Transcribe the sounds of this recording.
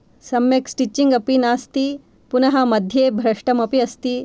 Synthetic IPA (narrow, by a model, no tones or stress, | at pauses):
sɐmjeksʈit͡ɕːiŋɡɐpinaːst̪i | punɐɦɐmɐd̪ʱjeːbʱɾɐʂʈɐmɐpiɐst̪i